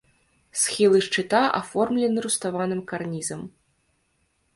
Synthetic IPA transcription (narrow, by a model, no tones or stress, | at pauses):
sxʲilˠɨʂt͡ʂɨt̪aʔa̰fɔrmlʲɛnɨɾust̪avanɨmkarnʲizɐm